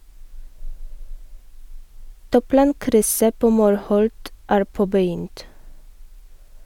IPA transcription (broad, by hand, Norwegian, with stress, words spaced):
ˈtuːˌplɑːŋkɾʏsə ˈpoː ˈmuːɾˌhɔlt ˈæːɾ ˈpoːbəˌjʏnt